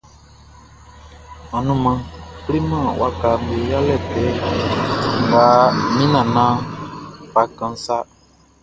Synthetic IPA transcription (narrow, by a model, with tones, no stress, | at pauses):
mã˨nũ˦mã˧kli˦mã˦˨wʔa˦ka˨mbe˨ja˦lɛ˦˨tɛ˨˦ | ŋ˨ɡaː˨˦mĩ˦nã˨nãː˦ | fa˨˦kã˧n˦sa˦